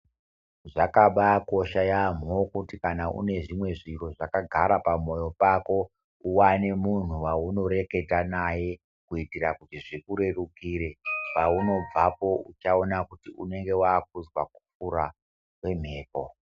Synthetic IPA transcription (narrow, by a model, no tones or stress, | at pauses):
ʐakaɓako̞ʃajam̤o̞kutikanaʔṵne̞ʐimwe̞ʐiro̞ʐakaɡʱaɾapamo̞jo̞pako̞ | uwane̞mun̤uwauno̞ɾe̞ke̞tanaje̞ | kuitiɾakutiʐikuɾe̞rukiːɾe̞pauno̞b͡vapo̞ut͡ʃao̞nakutiṵne̞ŋɡe̞waːk̚uzwa̰k̚u̥p͡fuɾa | we̞m̤e̞ːko